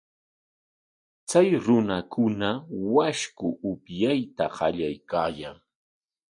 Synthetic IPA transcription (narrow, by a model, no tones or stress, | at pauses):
t͡sajɾʊnakʊnawaʃkʊʔʊpjajt̪aɢɑʎajkaːjaŋ